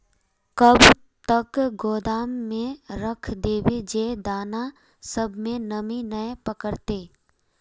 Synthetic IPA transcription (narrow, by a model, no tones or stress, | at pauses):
kəb | t̪ɐkɡoːd̪aːmːẽɾəkʰd̪eːbed͡ʒeːd̪aːna | səbʱmẽnəminəepəkəɾt̪eː